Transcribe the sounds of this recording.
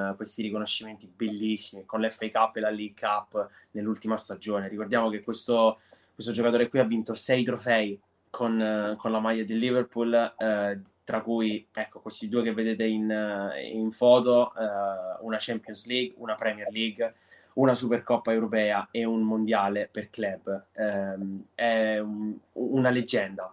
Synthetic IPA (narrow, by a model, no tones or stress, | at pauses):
kwest̪iɾikonoʃːiment̪ibelːisːimikonleɛfːejkapːelaliɡkʰapː | nelːult̪imast̪ad͡ʒoːneɾikord̪jaːmok̟ekːwest̪okkwest̪od͡ʒokat̪oːɾekwiavːint̪osɛjt̪ɾofɛj | kʰonkonlamajːad̪elːiverpul | t̪ɾakːujɛkːokwest̪id̪uːekevːed̪eːt̪ein | ḭɱfɔːt̪oɛunat͡ʃɛmpjonsliɡunapɾɛmiɛrliɡ | unasuperkɔpːaewɾopɛːaeunmond̪jaːleperklɛbːɛ | ɛuunaled͡ʒːɛnd̪a